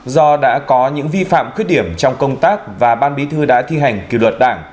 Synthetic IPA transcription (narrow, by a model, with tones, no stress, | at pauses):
zɔ˧ɗa̰ː˧˥kɔ˨˦ɲɨ̰˧˥ŋvi˧fa̰ː˧˨mxwi˦˥ət̚ɗi˧˩əmt͡ɕɔ˧wŋ͡mkə˧wŋ͡mt̪aː˦˥k̚vaː˨˩ɓaː˧nɓi˨˦t̪ʰɨ˧ɗa̰ː˧˥t̪ʰi˧ɦa˨˩jŋ̟kḭ˧˩lwə˨˩t̚ɗaː˧˩ŋ